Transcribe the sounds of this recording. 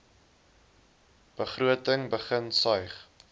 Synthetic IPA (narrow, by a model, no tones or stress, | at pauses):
b̥əχruətəŋbəχənsɐjχ